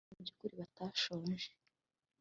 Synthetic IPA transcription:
bɟukuɾiβataːʃoːnʒe

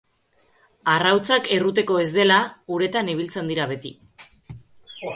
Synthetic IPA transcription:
arawt͡sake̞rut̪̬e̞ko̞e̞zd̪e̞lauɾe̞t̪aniβ̞ilt͡se̞nd̪iɾaβe̞t̪i

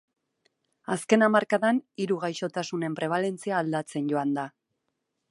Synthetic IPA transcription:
aske̞namaɾkaðaniɾuɣajʃo̞t̪asune̞mpɾe̞β̞ale̞nt͡siaːld̪at͡se̞nɟo̞and̪a

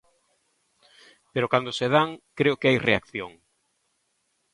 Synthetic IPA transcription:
peɾokand̪oseð̞aŋkɾeʊkeajrḛa̰kθjoŋ

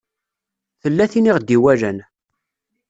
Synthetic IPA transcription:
θəlːæθiniʁd̪iwæɾæn

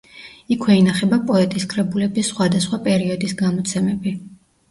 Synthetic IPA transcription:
ikʰwɛinaχɛbapʼɔɛt̪ʼiskʰʼɾɛbulɛbisːχwad̪asχwapʼɛɾiɔd̪isɡamɔt̪sʰɛmɛbi

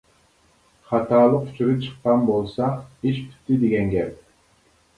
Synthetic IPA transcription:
χɑt̪ɑːlˠəqu̥t͡ʃʰyɾɨp̚t͡ʃʰɨ̥qːɑnbolˠsɑiʃpʰy̥t̪ːid̪eɡʲɛŋɡʲɛɾ

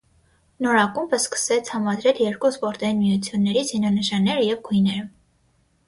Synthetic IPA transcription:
nɔɾɑkumbəskə̥sɛt͡sʰhɑmɑd̪ɾɛljɛɾkuspɔɾt̪ɑinmijut͡sʰjunːɛɾit͡sʰzinɑnəʃɑnːɛɾəjɛvɡujnɛɾə

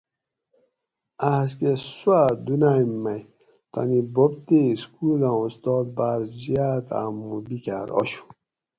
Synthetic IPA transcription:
as̬keswad̪unajmːaj | t̪a̰nibob̚t̪eskuːlãust̪ɔːl̚bazd͡ʑiat̪a̰mːubikaɾɔ̰ɕu̥

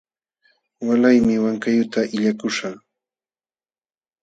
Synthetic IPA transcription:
walajmɪwaŋkajʊt̪aʔɪʎakʊʃaŋ

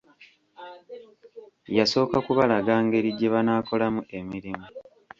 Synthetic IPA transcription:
jaso̞ːkakuβalaɡaːŋɡe̞ɾiɟeβanaːko̞lamuʔe̞miɾimu

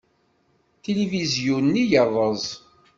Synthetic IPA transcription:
t̪elivizjunːijəðˤəzˤ

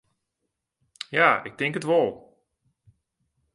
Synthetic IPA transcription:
jaːɪk̚tɪŋkətʋɔlˠ

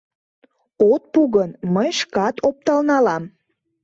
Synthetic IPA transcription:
ot̪̚puɣənməjʃkɑt̪op̚t̪ɑlnɑlɑm

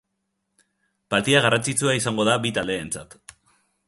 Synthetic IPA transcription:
palt̪iaɣ̞arant͡sit͡suaisaŋɡo̞ðaβit̪ald̪e̞ːnt͡sat̪

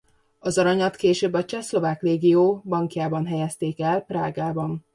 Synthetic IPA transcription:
ɒzɒɾɒɲlɒt̪keːʃøːbɒt͡ʃɛslo̞vaːkreːɡijoːbɒŋkjaːbɒnɦɛjɛst̪eːkɛlpraːɡaːbɒn

